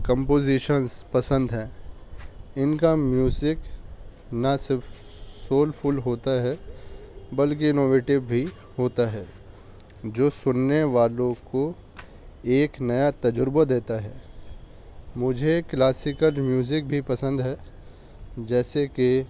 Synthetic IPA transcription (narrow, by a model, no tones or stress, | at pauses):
kə̃mpoːziʃənzpɐsə̃nd̪ɦɛː | ɪnkamjuːzɪk | nɐsɪɾf | soːlpʰʊlɦoːt̪aɦɛ | bɐlk̬iɪnoːʋeːʈɪbbʱi | ɦoːt̪aɦɛː | d͡ʒoːsʊnːeʋaːlõko | eːknɐjat̪ɐd͡ʒʊɾbad̪eːt̪aɦɛː | mʊd͡ʒʱeklaːsɪkəlmjuːzɪk̚bʱipɐsə̃nd̪ɦɛː | d͡ʒɛːseke